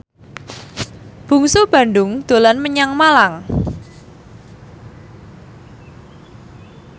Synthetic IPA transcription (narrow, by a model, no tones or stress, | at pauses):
b̥ṳŋsob̥ä̤nɖʊŋd̪̥o̤lanməɲaŋmalaŋ